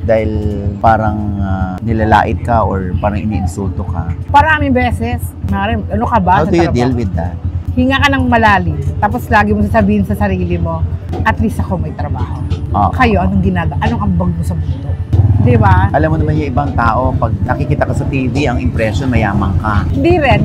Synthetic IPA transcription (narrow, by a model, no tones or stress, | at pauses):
d̪aːhɪlpaːɾɐŋanɪlala̰ːʔɪd̪̚kɐʔoɹpaːɾɐŋʔɪ̰nḭʔɪnsult̪okɐ̰pɐɾamɪŋbɛːsɛsmɐɾɛʔɐnokɐbaoɐooɾɐd̪lwid̪ahɪŋakɐnɐŋmɐlaːlɪst̪aːp̬o̞slaːɡɪmos̬ɐsɐbiːhɪnsɐsɐɾiːlɪmo̞ʔɐt̪lisɐko̞mɐjt̪ɾɐbaːho̞ʔo̰kɐjo̞ʔɐnoŋɡɪnaːɡɐʔɐno̞ʔɐmbɐɡ̚mosɐbuːt̪od̪ɪbaʔɐlamːonɐmanjʊʔɪbaŋt̪aːʔo̞pɐɡ̚nɐkikiːt̪ɐkɐsɐt̪iːviʔɐŋɪmpɾɛʃonmɐjaːmɐŋkɐhɪnd̪iɾɛn